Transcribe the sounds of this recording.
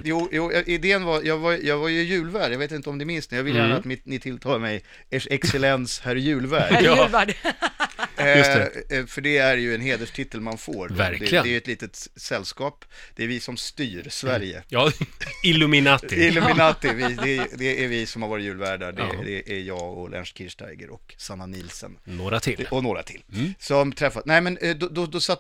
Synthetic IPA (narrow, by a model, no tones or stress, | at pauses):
juːjuːjɑʔɪd̪eːənvajɑːɡvajjɑːɡvajɵjʉ̟ːlvæːɖjɑveːt̪ɪnt̪əɔmd̪ɛɾmɪnst̪njɑvɪlːəjæːnaːt̪mɪnɪt̪ʰɪlt̪ʰɑːlaɾmɛj | æʂɛksɛlɛnshæɾjʉ̟ːlvæːɖlvæɖ | fœɖɛæɾjɵɛnɦeːd̪əʂʈ̪ʰɪt̪ʰːəlmanfo̰ːɾv̰ɾd̪ɛɪɛæɾjɵɛt̪liːt̪ət̪sɛlːskɑːpd̪̥ɛæɾvɪsɔmst̪yːɾsvæɾjə̰j | ɪlʉmɪnaɪɪlɵmɪnat̪ɪvɪd̪ɛd̪ɛʔæɾvɪsɔmhaɾvɑːɾɪtjʉ̟ːlvæːɖadɛ̰d̪ɛʔæɾjɑːɡɔlʔɛ̰nʂkʰɪʂʈæ̰jɡə̰ɾɔksanːanɪlsə̰nnoːɾat̪ʰɪlɔnoːɾa̰t̪ʰɪlːsɔmt̪ʰɾɛfːasnæɪmɛnd̪ɔd̪ɔd̪ɔsat̪